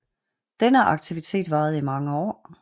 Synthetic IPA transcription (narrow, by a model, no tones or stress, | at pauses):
d̥enəʔɑ̈ɡ̥̚t͡sʰiʋit͡sʰe̝̰ːd̥ʋɑ̈ːð̞̩ˠimɑ̈ŋəɒ̰ː